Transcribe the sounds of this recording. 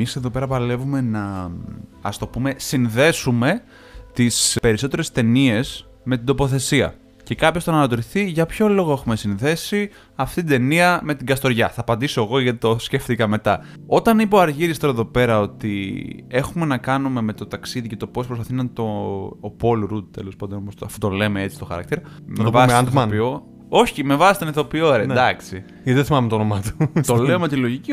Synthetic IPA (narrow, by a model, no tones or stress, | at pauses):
ise̞ðo̞pe̞ɾɐpɐle̞vume̞nɐ | ɐ̰st̪o̞pume̞sinðe̞sume̞ | t̪ispe̞ɾiso̞t̪e̞ɾe̞st̪e̞nie̞s | me̞t̪ind̪o̞po̞θe̞siɐ̰ | ce̞kɐpçost̪onɐnɐt̪oɾiθiʝɐpço̞lo̞ɣoe̞xume̞sinðe̞si | ɐft̪it̪id̪e̞niɐme̞t̪iɡɐst̪o̞ɾʝɐθɐːpɐnd̪iso̞eɣo̞ʝɐt̪it̪osceft̪ikɐme̞t̪ɐ | o̞t̪ɐnipo̞ɐɾʝiɾist̪oɾɐeðo̞pe̞ɾɐo̞t̪ḭe̞xume̞nɐkɐnume̞me̞t̪o̞t̪ɐksiðicɐt̪o̞po̞spɾos̬pɐθinɐt̪o̞po̞lɾud̪̚t̪ḛlo̞spɐd̪onopost̪ɐfut̪ole̞me̞e̞t͡si̥st̪oxɐ̰ɾɐ̰k̚t̪iɾɐ | mnɐevɐsmɐpo | o̞çime̞vɐsi̥st̪oneθo̞pioɾed̪ɐksi | ʝɐt̪iðeθimɐmet̪onomɐt̪u̥t̪oleomet̪ilo̞ʝici